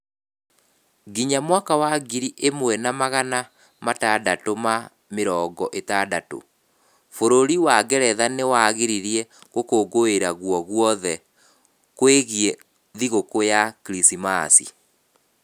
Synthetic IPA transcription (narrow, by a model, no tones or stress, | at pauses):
ɡiɲamwakawaɡiɾiʔemwɛnamaɣana | matadatoma | meɾɔːɡɔʔetadato̰ | foɾoɾiwaɣɛɾɛðanewaɣeɾiɾiɛɣokoɡoeɾaɣwɔɣwɔðɛ | kweɣjɛ | ðiɣokojakiɾisimasḭ